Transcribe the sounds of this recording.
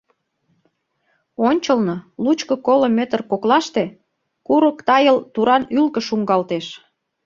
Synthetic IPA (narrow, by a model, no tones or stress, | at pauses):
onʲt͡ɕəlnolut͡ɕkə̆kolomøt̪ərkoklɑʃt̪e | kuɾəkt̪ɑjəlt̪uɾɑnylkə̆ʃuŋɡɑlt̪eʃ